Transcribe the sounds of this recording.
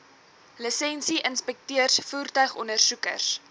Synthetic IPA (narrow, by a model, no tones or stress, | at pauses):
ləsɛnsiʔənspɛk̚tiərsfuːrtœɥχɔnərsukə̰rs